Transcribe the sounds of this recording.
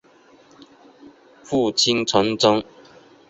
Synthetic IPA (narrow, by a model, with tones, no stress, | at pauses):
fu˥˨˩t͡ɕʰi˦nt͡sʰwa˨˦nt͡sɔ˥ŋ